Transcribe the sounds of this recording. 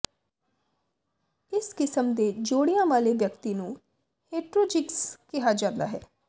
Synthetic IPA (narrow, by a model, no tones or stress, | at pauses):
ɪskɪsəmd̪eːd͡ʒoːɽijãːʋaːleʋjəkt̪iːnũ | heːʈɾoːd͡ʒɪkskɪɦaːd͡ʒãːnd̪aːɦɛː